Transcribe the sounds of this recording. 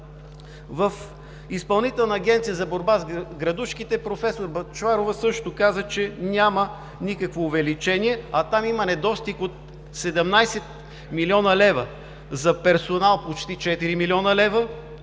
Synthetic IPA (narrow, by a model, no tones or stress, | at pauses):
vəf | ispɐlˠnit̪ɛlˠnɐːɡ̟ʲɛnt̪sijəzɐboɾbazɡɾɐd̪uʃkit̪ɛpɾofɛsoɾbɐt͡ʃvaɾovəsɤʃt̪okazət͡ʃɛnʲamə | nikəkvoːvɛlit͡ʃɛniɛɐt̪amimənɛd̪ɔst̪ikot̪̚ | sɛd̪ɛmnajsɛt̪̚ | miliɔnəlɛvə | zɐpɛɾsonalˠpot͡ʃt̪it͡ʃɛt̪iɾimilʲiɔnəlɛvə